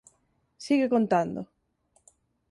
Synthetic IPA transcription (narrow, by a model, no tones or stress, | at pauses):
siɣekont̪and̪ʊ̰